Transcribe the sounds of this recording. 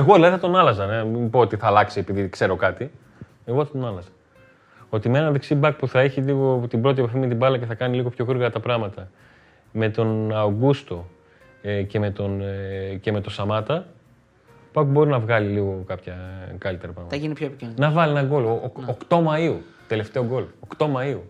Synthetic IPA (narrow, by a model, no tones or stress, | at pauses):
eɣo̞ðilɐðiθɐt̪o̞nɐlɐzɐneipoot̪iθɐːlɐksie̞piðikse̞ɾo̞kɐt̪i | e̞ɣo̞θɐt̪o̞nɐlɐzɐ | o̞t̪imee̞nɐðeksibɐk̚puθɐeçiliɣo̞t̪ibɾo̞t̪iepɐfime̞t̪̬ibɐlɐceθɐkɐniliɣo̞pço̞ɣuɾɣɐɐt̪ɐpɾɐɣmɐt̪ɐ | me̞t̪o̞nɐoɡust̪o̞ | ce̞me̞t̪o̞nce̞me̞t̪o̞sɐmɐt̪ɐ | bɐkbo̞ɾinɐvɣɐliliɣo̞kɐpçɐkɐlit̪e̞ɾɐpɾɐɣmɐɐʝinipçoepicnnɐvɐlienɐɡo̞lookt̪o̞mɐiu | t̪e̞le̞ft̪e̞oɡo̞lokt̪o̞mɐiu